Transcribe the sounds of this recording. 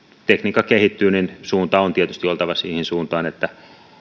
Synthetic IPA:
t̪ekniːkːˑɑkehit̪ːyːninsuːnt̪ɑont̪iet̪yst̪iolt̪ɑʋɑsiːhinsuːnt̪ɑːnet̪ːæ

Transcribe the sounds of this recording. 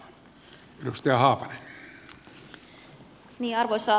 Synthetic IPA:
edust̪ɑjɑhɑːpɑnen | niːɑrʋosɑː

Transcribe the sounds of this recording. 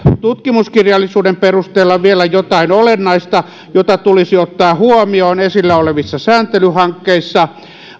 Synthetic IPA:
t̪ut̪kimuskirjɑlːˑisuːdemperust̪eːlːɑʋielæjot̪ɑinolenːɑist̪ɑ | jot̪ɑt̪ulisiot̪ːɑːhuomioːnesilːæoleʋisːɑsæːnt̪elyhɑŋkːeisːɑ

